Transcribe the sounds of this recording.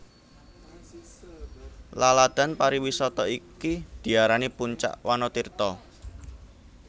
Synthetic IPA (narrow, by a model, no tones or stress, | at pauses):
lalad̪̥a̤npaɾiwisɔt̪ɔikid̪̥i̤aɾanipuɲt͡ʃa̰ʔwanɔt̪irt̪ɔ